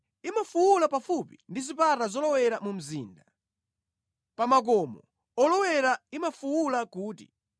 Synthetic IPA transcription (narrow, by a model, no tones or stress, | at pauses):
imafuwulapafupindizipatazɔlɔwɛɾamum̩ziːnda | pamak̬ɔmɔ | ɔlɔwɛɾaimafuwulakuːtḭ